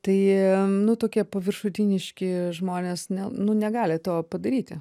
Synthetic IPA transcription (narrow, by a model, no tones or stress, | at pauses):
t̪ɐɪnʊt̪oːkʲiɛpɐʋʲɪrʃʊt̪ʲɪnʲɪʃʲkʲɪʒmoːnʲeːsnʲɛnʊnʲɛɡɑːlʲɪt̪oːpɐd̪ɐɾʲiːt̪ʲɪ